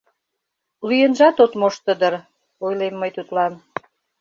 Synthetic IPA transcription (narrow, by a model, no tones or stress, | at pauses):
lyjənʒɑt̪ot̪moʃt̪əd̪ər | ojlemːəjt̪ut̪lɑn